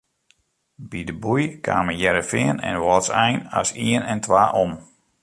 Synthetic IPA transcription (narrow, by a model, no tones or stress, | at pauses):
bidəbujkʰa̰ːməjɛɾəfɪənɛ̰nʋɔtsɛjna̰siənɛntʰʋaːʔom